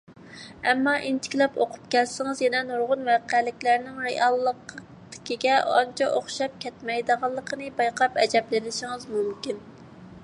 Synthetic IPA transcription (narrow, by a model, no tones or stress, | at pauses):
ɛmːɑʔint̪ʰɪ̥kʲilɛpo̰qʰʊ̥p̚kʲɛlsɪŋɨzjɛnɛnuɾʁʊnwɑqælɪkʲlæɾnɪŋɾeʔɑlˠːəq | d̪̥ɪ̥kʲiɡʲɛʔɑ̰nt͡ʃʰɑʔoχʃɑp̚kʲʰɛt̪mɛjd̪əʁɑlˠːəqʰənɨbɑjqʰɑpɛd͡ʒɛblɪnɪʃiŋɨzmumkʲin